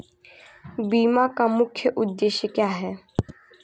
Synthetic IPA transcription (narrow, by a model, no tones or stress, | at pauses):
biːmakamʊkʰːjəʔʊd̪ːeːʃjəkjaːɦɛː